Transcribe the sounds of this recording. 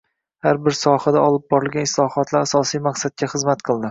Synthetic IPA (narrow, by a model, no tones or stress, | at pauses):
haɾbɪɾsɒhad̪aɒlˠɪb̚bɒɾɪlˠɡʲanɪslˠɒhɒt̪ʰlaɾasɒsijmaqsad̪̚kʲaχɨzmat̪qʰɨlˠd̪ɪ